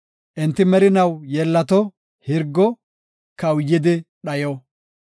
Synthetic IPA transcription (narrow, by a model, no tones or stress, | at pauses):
ʔɪnt̪ːɪmɛɾɪnɐwjɛlːɐt̪ɔ | hɪɾɡːɔ | kɐwjːɪd̪ɪɗɐjɔ